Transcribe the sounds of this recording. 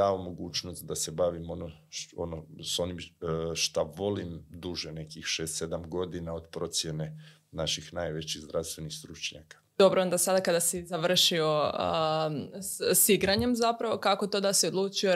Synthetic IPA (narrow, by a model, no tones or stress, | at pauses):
aomo̞ɡuːt͡ʃnost̪d̪ase̞baʋimono | onoso̞nimʃt̪aʋo̞limd̪uʒene̞kixʃeːst̪se̞d̪amɡo̞d̪inaod̪pɾo̞t̪sjene | naʃixnajʋe̞t͡ɕixzd̪ɾaʋst̪ʋe̞nixst̪ɾut͡ʃɲa̰kḁd̪o̞bɾoond̪asad̪akad̪asizaʋr̩ʃio̞ | siɡɾaɲe̞mzapɾaʋo̞kakot̪od̪asiod̪lˠuːt͡ʃio